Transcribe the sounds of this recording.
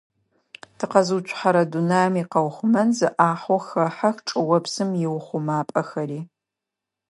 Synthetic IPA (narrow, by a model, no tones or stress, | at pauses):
tʰɨqɐzuːt͡ʃʷʰʼħaɾɐdunaːmiːqɐwχʷʊmɐnzɨʔaːħʷɔxɐħaxʈ͡ʂʼɨwɐpsɨmjɪwʊχʷʊmaːpʼɐxɐriː